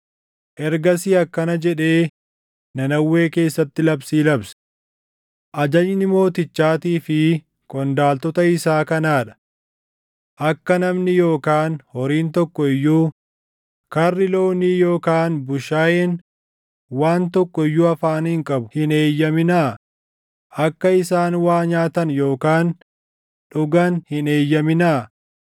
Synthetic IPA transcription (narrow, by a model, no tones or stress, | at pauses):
ʔɛɾɡɐsiɐkːɐnɐd͡ʒɛᶑe̞ː | nɐnɐwːe̞ːke̞ːsːɐt̪ːɪlɐbsiːlɐbsɐ̥ | ʔɐd͡ʒɐd͡ʒnɪmo̞ːt̪ɪt͡ʃːaːt̪iːfɪ | kʼɔnd̪aːlt̪ɔt̪ɐɪsaːkɐnaːᶑɐ̥ | ʔɐkːɐnɐmnɪjo̞ːkaːnhɔɾiːnt̪ɔkːɔɪjːuː | kɐrːɪlo̞ːniːjoːkaːnbʊʃaːjɛn | waːnt̪ɔkːɔɪjːuːɐfaːnhɪŋkʼɐbʊ̥hɪneːjːɐmɪnaː | ʔɐkːɐɪsaːnwaːɲaːt̪ɐnjo̞ːkaːn | ᶑʊɡɐnhɪne̞ːjːɐmɪnaː